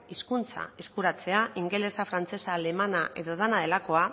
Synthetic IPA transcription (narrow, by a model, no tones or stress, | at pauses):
iskunt͡sa̰eskuɾat͡se̞aiŋɡe̞le̞safɾant͡se̞saːle̞manaʔe̞ðo̞ð̞anaðe̞lako̞a